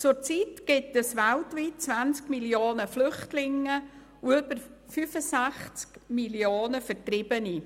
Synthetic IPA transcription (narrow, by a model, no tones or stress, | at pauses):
t͡sʊɾt͡siːtɡ̥ɪtɛsʋæltʋiːt̚t͡sʋant͡skmiljoːnəflʏχtlɪŋːə | uʏbəɾfyfəsæxt͡skmiljoːnəfətɾɪb̥əni